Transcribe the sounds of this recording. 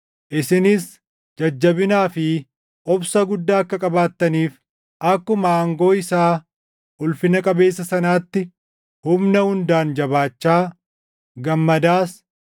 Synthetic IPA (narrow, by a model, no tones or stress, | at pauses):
ʔɪsɪnɪs | d͡ʒɐd͡ʒːɐbɪnaːfɪ | ʔɔbsɐɡʊd̪ːaːɐkːɐkʼɐbaːt̪ːɐniːf | ʔɐkːʊmɐːŋɡo̞ːɪsaː | ʔʊlfɪnɐkʼɐbe̞ːsːɐsɐnaːt̪ːɪ | hʊmnɐhʊnd̪aːnd͡ʒɐbaːt͡ʃːaː | ɡɐmːɐd̪aːs